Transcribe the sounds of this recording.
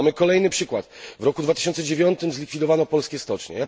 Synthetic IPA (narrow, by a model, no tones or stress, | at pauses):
mɘkɔlɛjnɘpʂɘkwat̪vɾɔkud̪vat̪ɘ̥ɕɔnt̪sɛd͡ʑevʲjɔnt̪ɘmzlʲikfʲid̪ɔvanɔpɔlskʲɛst̪ɔt͡ʂɲɛ̰ja